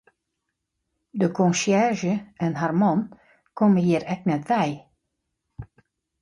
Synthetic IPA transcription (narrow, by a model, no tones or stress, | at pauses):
dəkʰɔ̃nsjɛrʒəɛnɦarmɔn | kʰɔməhiəɾɛk̚nɛtʋɛj